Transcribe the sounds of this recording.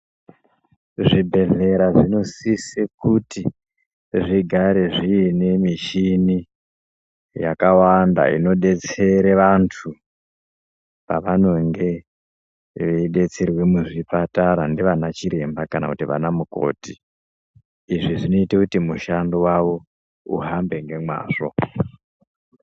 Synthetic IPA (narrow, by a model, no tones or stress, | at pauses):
ʐibʱe̞ɮe̞ɾaʐino̞sisekuti | ʐiɡʱaɾe̞ʐiːne̞miʃini | jakawanda̰ḭno̞ɗe̞t͡se̞ɾeʋantʰu | paʋano̞ŋɡe̞ | ʋeiɗe̞t͡se̞rwe̞muʐipataɾandiʋanat͡ʃiɾe̞mbakana̰kutiʋa̰namuko̰ːti | ʐiʐino̞itekutimuʃandowaʋo̞ | ṵɦambe̞ŋɡe̞mwa̰ːʐo̞̰